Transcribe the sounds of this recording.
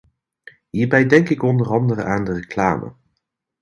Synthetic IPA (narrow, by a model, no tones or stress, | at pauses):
ɦiːɹbɛjdɛŋkɪkɔndərɑndərə̰ʔaːndərəkla̰ːmə̰